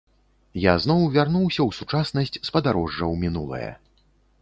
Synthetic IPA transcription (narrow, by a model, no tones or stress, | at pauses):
jaznɔwvʲarnuwsʲɐwsut͡ʂasnɐsʲt͡sʲspɐd̪aɾɔʐːɐwmʲinulˠɐ̰jɐ̰